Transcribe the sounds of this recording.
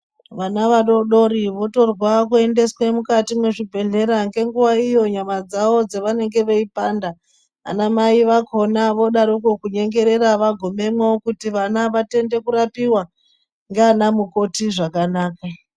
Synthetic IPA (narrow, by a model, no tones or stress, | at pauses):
ʋanaʋaɗo̞ɗo̞ɾiʋo̞to̞rwakue̞nde̞swe̞mukatimweʐibʱe̞ɮe̞ɾaŋɡe̞ŋɡuʋaijo̞ɲamad͡zawo̞d͡zeʋane̞ŋɡe̞ʋeipanda̰ː | namaiʋako̞naʋo̞ɗaɾukokuɲe̞ŋɡe̞ɾe̞ɾaʋaɡʱo̞me̞mwookutiʋanaʋate̞nde̞kuɾapiwa | ŋɡeanamuko̞tiʐakanaːka